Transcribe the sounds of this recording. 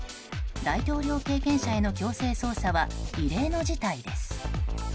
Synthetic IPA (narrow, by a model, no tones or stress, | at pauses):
d̪ait̪o̞ːɾʲjo̞ːke̞ːkẽ̞ɰ̃ɕae̞no̞kʲo̞ːse̞ːso̞ːsaβaiɾe̞ːno̞d͡ʑit̪aid̪e̞sɨ̥